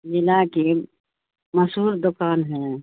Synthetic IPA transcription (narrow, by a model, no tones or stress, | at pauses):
d͡ʒɪlake | məsuːɾd̪okaːnɦɛ